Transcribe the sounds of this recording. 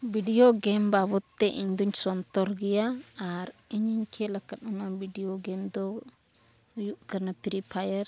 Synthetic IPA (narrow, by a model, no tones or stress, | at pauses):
biɖijoɡɛmbabɔt̪ːɛʔḭɲd̪ɔɲsɔnt̪ɔɾɡɛjaːɾiɲiɲkʰɛləkat̪ɔnabiɖijɔɡɛmd̪ɔ | juʔkəɾnapiɾipʰajəɾ